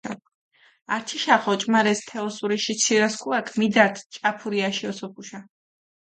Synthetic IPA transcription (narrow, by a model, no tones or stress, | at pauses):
a | aɾt͡ʃ̪ʰiʃaχɔt͡ʃʼmaɾɛst̪ʰɛɔsuɾiʃit̪sʰiɾaskʰuakʰmid̪aɾt̪ʰt͡ʃʼapʰuɾiaʃiɔsɔpʰuʃa